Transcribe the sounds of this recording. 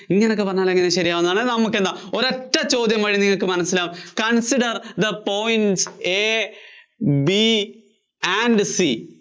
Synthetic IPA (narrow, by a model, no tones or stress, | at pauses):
iŋːɐnokːɨpɐrɐɲːaːle̞ŋːɐneɕɐɾijaːʋunːðaːɳɨnɐmːukːe̞nd̪aoɾeʈːɐt͡ɕo̞ːd̪jɐmʋɐɻiniŋːɐɭkɨmɐnɐsilaːmkɐnsiɖɐrd̪ɐpoːjinse | bi | anɖsi